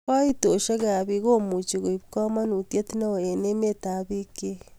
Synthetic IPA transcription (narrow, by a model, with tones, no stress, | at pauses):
a˦i˦to˨ʃa˦ɣa˨βi˨ɣo˦mu˨t͡ʃi˨ɣo˨i˨βika˦ma˦nu˨tja˦ti˦na˦o˨e˨ne˦me˦ta˨βi˦ke˦